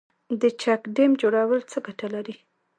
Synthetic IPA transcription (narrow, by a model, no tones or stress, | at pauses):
d̪ət͡ʃakɖemd͡ʒoɽawəlt͡səɡaʈalaɾi